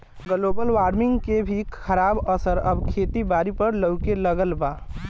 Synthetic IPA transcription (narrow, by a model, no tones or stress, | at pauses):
ɡəlobəlʋaːɾmɪ̃ŋɡkebʱikʰəɾabəsəɾəbkʰet̪ibaɾipəɾləʊkeləɡəlba